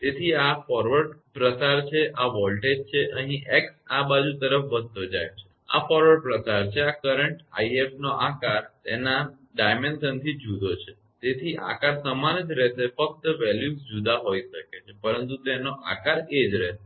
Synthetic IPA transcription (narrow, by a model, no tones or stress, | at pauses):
t̪et̪ʰiafɔɾʋəɖpɾət͡ʃaɾt͡ʃʰeʔaʋɔlʈed͡ʒ̚t͡ʃʰeʔəɦĩʔeksabad͡ʒũt̪əɾəfʋəd̪̚t̪od͡ʒa̰jt͡ʃʰe̥ | a̰fɔɾʋəɖ̚pɾət͡ʃaɾt͡ʃʰeakəɾəɳʈa̰iefnoʔakaɾt̪ḛna | ɖajmensənt̪ʰid͡ʒud̪ot͡ʃʰe | t̪et̪ʰiʔa̰kaɾsəmand͡ʒɾet̪efək̚t̪əʋɛljusd͡ʒud̪aɦoiʃəket͡ʃʰepəɾənt̪ut̪enoʔa̰kaɾed͡ʒɾe